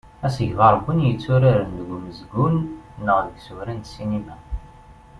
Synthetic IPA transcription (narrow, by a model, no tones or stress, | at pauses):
æsəʝvɑɾˤəbːunjət͡sːuɾaɾənðɡuməzɡunnːəʁðəɡsuɾænt̪sinimæ